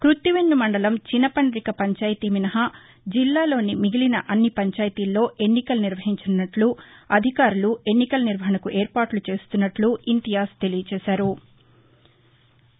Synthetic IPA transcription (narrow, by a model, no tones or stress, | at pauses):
kɾut̪ːiʋeɲːumɐɳɖɐlɐmt͡ʃinɐpɐɳɖɾikɐpɐɲt͡ʃaːjt̪iminɐɦɐ | d͡ʒilːaːlo̞ːnimiɡilinɐʔɐnːipɐɲt͡ʃaːjt̪iːlːo̞ːʔe̞nːikɐlniɾʋɐɦiɲt͡ʃɐnːɐʈluɐd̪ʱikaːɾulue̞nːikɐlniɾʋɐɦɐɳɐkuʔeːɾpaːʈlut͡ʃe̞ːst̪unːɐʈluint̪ijaːst̪e̞lijɐt͡ʃɛːʃaːɾu